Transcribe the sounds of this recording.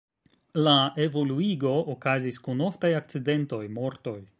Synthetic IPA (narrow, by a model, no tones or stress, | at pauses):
laʔe̞vo̞luiɡo̞okaziskuno̞ftajak̚t͡side̞nto̞jmo̞ɾto̞j